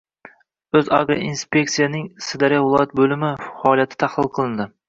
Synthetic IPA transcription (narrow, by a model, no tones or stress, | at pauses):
ɵza̰ɡɾa̰inspʲe̞k̚t̪sijanɪŋsɪd̪aɾjavɪlˠɒjat̪̚bɵlɪmɪfɒːlˠjat̪ʰɪ̥t̪ʰahlˠɨlˠqʰɨlˠɪnd̪ɪ